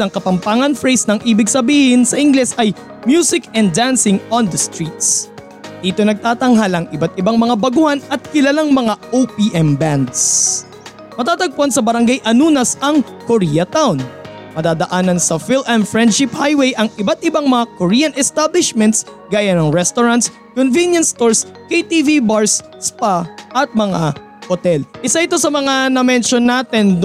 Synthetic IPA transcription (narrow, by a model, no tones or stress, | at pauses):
ɐŋkɐpɐmpaːŋɐnfɹɛjsnɐŋʔiːbɪɡsɐbiːhɪnsɐʔɪŋɡlɛsɐj | mjuːsɪkɛ̃ndansɪŋond̪ɐst̪ɹit̪s | d̪̥iːt̪o̞nɐɡ̚t̪aːt̪ɐŋɦalɐŋʔɪbat̪ɪbaŋmɐŋabɐɡʊhanɐt̪̚kɪlalaŋmɐŋaʔowpiʔɛmband̪s | mɐt̪aːt̪ɐɡ̚ponsɐbɐɾɐŋɡajʔɐnuːnɐsɐŋ | koɾijɐt̪awnmɐd̪aːd̪ɐʔaːnɐnsɐfɪlʔɛnfɹɛnd̪̚ʃɪphajwɛjʔɐŋʔɪbat̪̚ʔɪbaŋmɐŋakoɾijɐnʔɛst̪ablɪʃmɛnt̪sɡaːjanɐŋɹɛst̪oɾant̪s | konvinjɐnst̪oɹskejt̪ivibaɹs | spaʔɐt̪̚mɐŋa | hot̪ɛlʔɪsaɪt̪o̞sɐmɐŋanɐmɛnʃonːaːt̪ɛnd̪